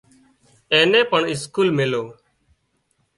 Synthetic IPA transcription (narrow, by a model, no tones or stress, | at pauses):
eːnẽːpəɳɪskuːlmɪloː